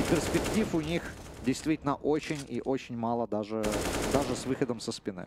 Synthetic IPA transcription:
pʲɪrspʲɪktʲifʊnʲixdʲɪjst̪vʲitʲɪlʲnəʔot͡ɕɪnʲḭʔot͡ɕɪnʲmɑlˠəd̪aʐɨd̪aʐɨsvɨxəd̪əmsəspʲɪnɨ̰

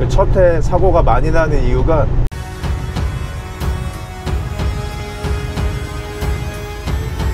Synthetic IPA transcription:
ɯt͡ɕʰʌtʰe̞sʰaɡoɡamaɲidanɯnijuɡa

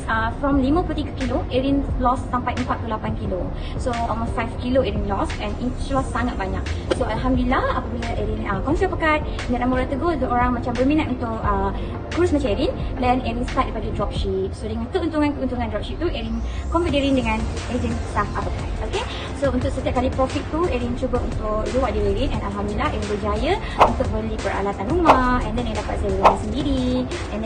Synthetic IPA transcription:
əfɾɹɔmlimə̃put̪ikəkiloʔeɹinlɔsːampajəmpak̚kːulapankilo | soɔlmostfajfkiloeɾinlɔsɛ̃ninlɔsːaŋat̪̚baɲa̰k̚soʔalɦamdəlilahapəbiləʔeɾinəkɔŋsiapəkat̪̚ | inat̪nãmoɾat̪əɡodəoɾaŋmat͡ʃambərmĩnat̪unt̪ukə | kuɾusmat͡ʃãmeɾindɛneɾinst̪at̚əpadudɹɔp̚ʃip̚sodəŋãnt̪uʔunt̪uŋankunt̪uŋandɾɔp̚ʃip̚t̪uʔɛɾin | kɔmfidiɾindəŋãnɛzint̪afapəkat̪̚oke | sount̪ʊk̚sət̪iap̚kalipɾɔfik̪̚t̪uɛɾint͡ʃubəunt̪ʊkduwaʔ̚diweɾinɛ̃nalɦamdulilaɦeɾinbərd͡ʒajə | unt̪ʊk̚bəlipəɾa̰lat̪anɾumaɛ̃ndɛnajdapat̪̚sajəlaasəndiɾi | ɛ̃n

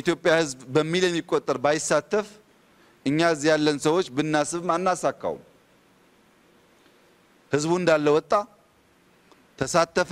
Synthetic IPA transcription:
jit̪jo̞pʼːjahɨzbbəmːiljɛmːikʼːot̪ʼːəɾbajɪsːat̪ʰːəf | ʔɨɲːazijalːənsəwo̞t͡ʃːbɨnːasɨβmanːasakːa̰wṵm | hɨzbuɨnd̪alːəwɔt̪ʼːa | t̪ʰəsat̪ʰːəf

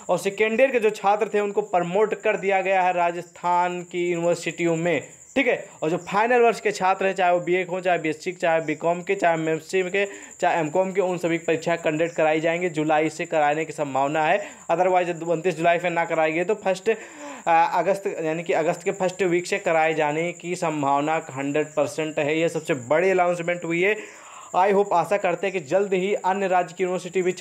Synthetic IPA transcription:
ɔːɾsekẽɳɖeːɾked͡ʒoːt͡ʃʰaːt̪ɾət̪ʰeʊnkopɐɾmoːʈkɐɾd̪ijaɡɐjaɦɛɾaːd͡ʒəst̪ʰaːnkijuːnɪʋəɾsɪʈiõmẽ | ʈʰiːkɦɛːɔːɾd͡ʒoːpʰaːɪnəlʋɐɾʃket͡ʃʰaːt̪ɾəɦɛ̃t͡ʃaːɦeobiekɦõt͡ʃaːɦebisɪkt͡ʃaːɦebiːkɔːmket͡ʃaːɦemɛ̃msʈimket͡ʃaːɦeɛmkɔːmkeʊnsɐbʱipɐɾiːkʃʰakɐ̃ɳɖeːʈkɐɾaːid͡ʒaːẽːŋɡid͡ʒʊlaːisekɐɾaːnekisɐ̃mbʱaːʋnaɦɛ | ɐd̪əɾʋaːzʊ̃nt̪iːs̬d͡ʒʊlaːipenakɐɾaːeɡɐet̪opʰɐsʈ | ɐɡəst̪jaːnikiɐɡəst̪kepʰɐsʈʋiːksekɐɾaːed͡ʒaːnekisɐ̃mbʱaːʋnakɦɐ̃ɳɖɾəɖ̚pɐɾsə̃ɳʈɦɛjesɐbsebɐɽiəlãʊnsmẽɳʈɦʊiɦɛ | aːiɦopaːsakɐɾt̪eɦɛ̃kid͡ʒɐld̪ɦiɐnjəɾaːd͡ʒəkjuːnɪʋəɾsɪʈiʋʱɪt͡ʃ

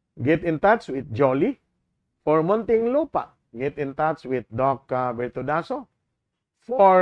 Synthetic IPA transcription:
ɡɛtĩntat͡ʃwit̪̚d͡ʒɔli | fɔɹmɔ̃nt̪ĩŋlopa̰ | ɡɛtĩntat͡ʃwit̪̚dɔkbɛɹt̪udaso | fɔ

